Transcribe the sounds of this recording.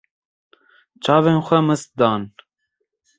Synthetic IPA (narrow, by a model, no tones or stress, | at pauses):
t͡ʃʰɑːveːnxʷɛmɨst̪̚d̪ɑːn